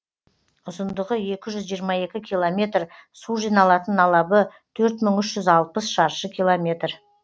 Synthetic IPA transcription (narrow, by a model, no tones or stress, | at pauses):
ʊzənd̪əʁəe̞kʲɪʒʏzʒijəɾmɑe̞kʲɪkʲʰijlˠomʲe̞t̪rsuʒijnɑlˠɑt̪ənːʰɑlˠɑbət̪ʰɵɾt̪məŋʏʃʒʏzɑlˠpəsʃɑɾʃəkʲʰijlˠo̞mʲe̞t̪r